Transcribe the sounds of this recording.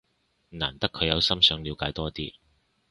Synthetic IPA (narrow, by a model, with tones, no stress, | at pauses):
na̰ː˨˩nt̪ɐ˥kʰːɵ˨˧ɥjɐ˨˧wsɐ˥msœː˨˧ŋliː˨˧wkaː˨˥jt̪ɔː˥t̪iː˥